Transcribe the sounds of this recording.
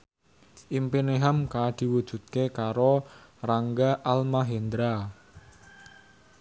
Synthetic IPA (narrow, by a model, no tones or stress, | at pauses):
ʔimpineɦamkad̪̥i̤wud̥ʒ̥ṳt̪̚kekaɾoraŋɡaʔalmaɦend̪ɾa